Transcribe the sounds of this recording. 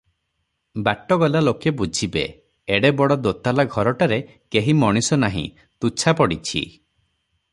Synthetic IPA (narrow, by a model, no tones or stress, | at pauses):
baʈɔɡɔlalokebud͡ʒʱibḛ | eɽebɔɽɔd̪ot̪alaɡʱɔɾɔʈaɾe | keɦimɔɽ̃isɔnaɦḭ̃ | t̪ut͡ʃʰapɔɽit͡ʃʰḭ